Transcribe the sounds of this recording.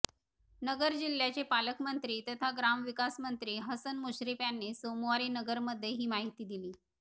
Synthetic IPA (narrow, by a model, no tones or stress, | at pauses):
nəɡəɾd͡ʑiljat͡ɕepaləkmənt̪ɾiːt̪ət̪ʰaɡɾamʋikasmənt̪ɾiːɦəsənmuɕɾipjanːesomoʋaɾiːnəɡəɾməd̪ʱːjeɦiːmaɦit̪iːd̪iliː